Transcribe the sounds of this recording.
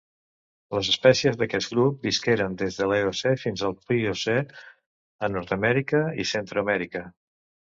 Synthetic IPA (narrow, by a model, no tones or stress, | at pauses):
ləzəspɛsiəzðəkɛt̪ɡɾup̚biskeɾənd̪ezðəleosefinzəlˠpiose | ənɔɾt̪əmɛɾikəḭsent̪ɾuəmɛɾikə